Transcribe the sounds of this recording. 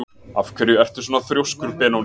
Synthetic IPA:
afkʰvɛɾjʏɛr̥t̪ɪɾ̥soːnaðθɾjowskʏɾpɛːnawl

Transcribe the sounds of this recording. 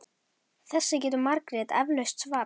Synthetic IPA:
θɛsːɪc̬ɛːt̪ʏɾmaɾkɾɛt̪ɛ̰vlœɥst̪svaː

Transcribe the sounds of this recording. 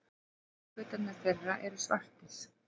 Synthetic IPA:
vʏːt̪anaɾ̥θɛrːaʔɛɾʏsva̰r̥t̪ɪs

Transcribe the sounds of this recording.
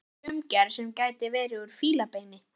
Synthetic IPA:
ʏmcɛɾ̥sɛmcaːjt̪ɪvɛːɾɪʏɾ̥fiːlapeːjnɪ

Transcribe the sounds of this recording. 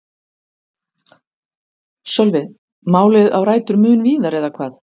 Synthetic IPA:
sɔlvɪ | maːwlɪðawɾaːjt̪ʏɾmʏːnviːðaɾɛðakʰvaːð

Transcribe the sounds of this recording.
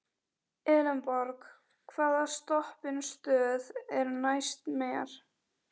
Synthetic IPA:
ɛːlɛmpɔɾk | kʰvaːðast̪ɔhpɪnst̪œːðɛɾnajst̪mɛːa̰ɾ̥

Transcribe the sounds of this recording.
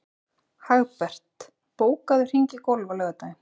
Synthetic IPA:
haɣpɛr̥t̪ | poːwkaðʏr̥iɲcɪkowlvalœːɣat̪ajɪm

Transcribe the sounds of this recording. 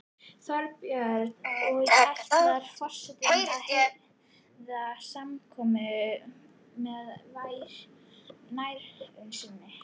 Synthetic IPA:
θɔɾpjaɾɔɣɛ̥t̪ðaɾ̥fɔr̥sɛt̪ɪahɛ | ðasamkʰɔːmɪ | mɛðvajɾ̥ | najɾʏnsinːɪ

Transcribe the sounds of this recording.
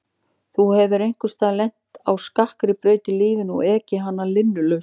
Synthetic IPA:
θuhɛvʏɾejŋ̥kʏst̪aːlɛjn̥t̪awskahkɾɪpɾœːɥt̪ɪliːvɪnɔ̰ɣɛːcɪɦanːalɪnːʏlœɥ

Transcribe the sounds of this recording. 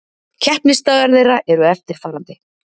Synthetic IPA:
cʰɛhpnɪst̪aːɣaɾðeːjraʔɛɾʏɛft̪ɪɾ̥falːant̪ɪ

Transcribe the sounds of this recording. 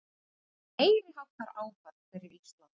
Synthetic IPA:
eːjɾɪɦawt̪aɾaːwkaɾkvɛɾɪɾist̪lant̪

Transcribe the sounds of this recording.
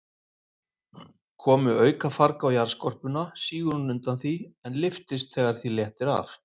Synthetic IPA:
kʰɔːmʏœːɥkafaɾkaːwjaɾ̥skɔr̥pʏnasiːɣʏɾʏnʏnt̪anθiɛnlɪft̪ɪst̪θɛɣaɾ̥θiljɛht̪ɪɾa̰f

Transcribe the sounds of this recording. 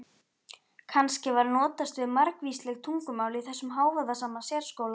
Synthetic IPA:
kʰanscɪvaɾnɔːt̪ast̪vɪðmaɾkviːslɛɣt̪ʰuŋkʏmaːwlɪiθɛsːʏmɦaːwvaðasaːmasjɛɾ̥skoːwla

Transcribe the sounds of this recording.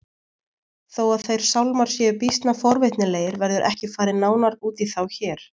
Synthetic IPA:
θowaðθejɾ̥sawlmaɾ̥sjɛʏpist̪nafɔɾvɪht̪nɪleːjɪɾvɛɾðʏɾʔɛhcɪfaːɾɪnaːwnaɾuːt̪iθawçɛːɾ̥

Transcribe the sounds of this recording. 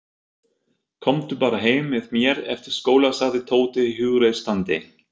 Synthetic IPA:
kʰɔmt̪ʏpaːɾaɦeːjmvɪðmjɛɾɛft̪ɪɾ̥skoːwlasaðɪt̪ʰoːwt̪ɪiɦʏɣɾejðst̪ant̪ɪ

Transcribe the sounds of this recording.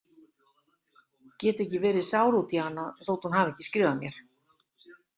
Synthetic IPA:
cɛːt̪ɛhcːɪvɛːɾɪðsaːwɾut̪jahanːaθoːwt̪hunhaːvɛhcːɪskɾɪːvamjɛɾ̥

